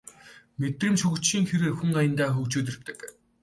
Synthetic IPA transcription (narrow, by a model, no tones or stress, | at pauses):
met̪rĭːmt͡ɕʰɵɣɵ̆t͡ɕʃiːŋxeɾeːrxuŋajə̆nt̪aːxɵkt͡ɕuːt̪̬ɵ̆rt̪ɘ̥̆k